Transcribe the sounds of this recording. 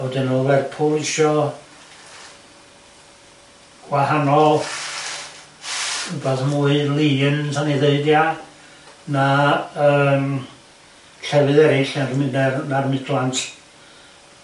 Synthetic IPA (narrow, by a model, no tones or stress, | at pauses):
ɔdɪnovɛrpʰʊlɪʃɔ | ɡ̥wahanɔlˠ | ubaðmuɨɨlˠinsʰanɛðeɨdja | naəːm | ɬɛwɨðɛɾɪɬanrmɪnɛrnarmɪdlˠantʰ